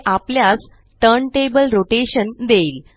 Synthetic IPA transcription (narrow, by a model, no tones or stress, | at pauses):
ʔapljat͡s | t̪əɾɳʈebəlɾoʈeɕənd̪eiːl